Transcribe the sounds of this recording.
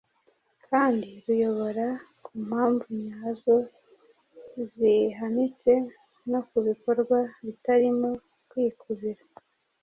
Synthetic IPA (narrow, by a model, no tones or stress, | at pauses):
kʰaːndiɾujo̞βo̞ɾakum̥haːɱvumɲaːzo | ziɦanit͡se̞ | no̞kuβiko̞ɾɡwaβitaɾimo | kwiːkʰuβiɾa